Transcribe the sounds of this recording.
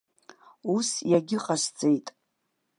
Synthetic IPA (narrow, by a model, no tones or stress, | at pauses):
usjaɡʲɪqʼaʃʷt͡sʼejtʼ